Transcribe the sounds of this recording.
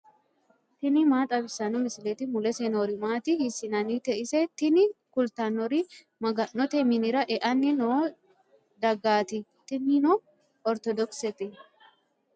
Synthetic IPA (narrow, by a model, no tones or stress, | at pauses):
t̪ɪnɪmaːt̪ʼɐbɪsɐnɔmɪsɪlɛt̪ɪmʊlɛsenoːɾɪmaːt̪ɪhɪsɪnɐnit̪ɛʔɪsɛt̪ːɪnɪkʊlt̪anːɔɾi | mɐɡɐnɔt̪ɛmɪnɪɾɐʔɛʔɐnːɪnoː | d̪ɐɡaːt̪ɪt̪ːɪnɪnɔ | ɔɾt̪ɔd̪ɔksɛt̪ɪ